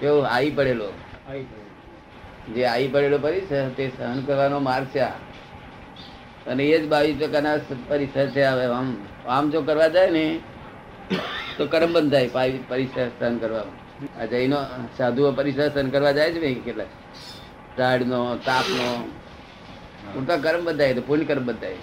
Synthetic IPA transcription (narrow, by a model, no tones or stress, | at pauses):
eoaipəɽelo | d͡ʒeaipəɽelopəɾiʃət̪esəɦənkəɾʋanomaɾɡt͡ʃʰea̰ | əneed͡ʒbaʋisʋəkanaspəɾiʃət͡ʃʰeaʋeam | amd͡ʒokəɾʋad͡ʒaene | t̪okəɾəmbənd̪ʱajpaipəɾɪʃəsəɦənkəɾʋano | a̰d͡ʒəinosad̪ʱuopəɾɪʃəsənkəɾʋad͡ʒajet͡ʃʰemẽkeʈlak | ʈaɽnot̪aːpno | ut̪akəɾəmbənd̪ʱajet̪opuɾnkəɾəmbənd̪ʱaje